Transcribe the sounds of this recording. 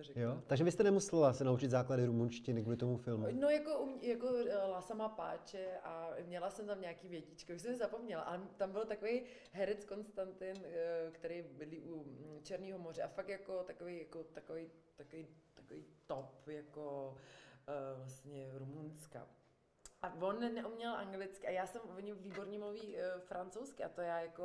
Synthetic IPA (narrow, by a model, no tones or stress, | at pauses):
t̪orɛjot̪aɡʒɛvɪst̪ɛnɛmusɛllasɛnaut͡ʃɪt̪zaːkladɪɾumunʃcɪnɪkulɪt̪omufɪlmunojakoʔumɲjakolasamapa̰ːt͡ʃɛʔamɲɛlasɛmt̪amɲaːkiːvjɛcit͡ʃkɪʔuʃsɛmsɪzapo̞mɲɛla̰ʔa̰lɛt̪ambɪlt̪akovej | ɦɛɾɛt͡sko̞nst̪ant̪ɪnkt̪ɛɾejbɪdliːʔut͡ʃɛɾniːɦomorɛʔafak̚t̪jakot̪akovejjakot̪akovejt̪akovejt̪ḁkoviːt̪opjako | vlast̪ɲɛɾumunska̰ | ʔavonnɛʔumɲɛlʔaŋɡlɪt͡skɪʔajaːsɛmvoɲɪviːboɾɲɛmluviːfɾant͡sowskɪʔat̪ojaːjako